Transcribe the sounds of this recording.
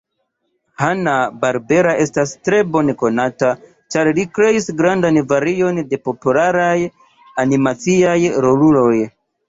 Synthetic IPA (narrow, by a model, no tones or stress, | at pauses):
hanabaɾbe̞ɾaʔe̞stastɾe̞bo̞neko̞nata | t͡ʃaɾlikɾe̞isɡɾandanvaɾio̞nde̞po̞pulaɾaj | animat͡siajɾo̞lulo̞j